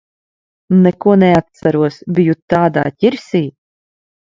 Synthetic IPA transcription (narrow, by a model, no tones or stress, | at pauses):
nɛkuɔnɛat̪̚saɾuɔsbʲijut̪ːaːd̪a̰ːt̪ʲiɾsʲiː